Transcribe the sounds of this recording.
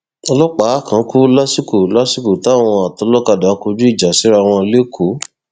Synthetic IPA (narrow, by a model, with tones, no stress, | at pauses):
ɔ˧lɔ˦k͡pa˨˦a˦˨kã˨˦ku˦la˦si˦ku˨la˦si˦ku˨ta˦˨w̃ɔ̃˧a˨tɔ˧˦lɔ˦ka˧˨da˨˦ku˧d͡ʒu˦i˦˨d͡ʒa˨si˨˦ɾa˧˨w̃ɔ̃˧le˦kʰo˨˦